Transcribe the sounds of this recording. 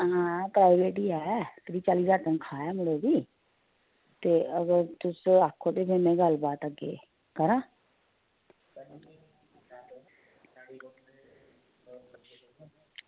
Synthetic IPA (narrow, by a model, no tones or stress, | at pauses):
ɦãːpɾaːɪʋeːʈiːɛːk̪ədiːt͡ʃaːliːsaːt̪ənkʰaːɛːmʊɽeːd̪iː | t̪eːʔəɡəɾt̪ʊsaːkʰːoːt̪eːpʰeːmɛ̃ːɡəlbaːt̪əɡḛː | kəɾãː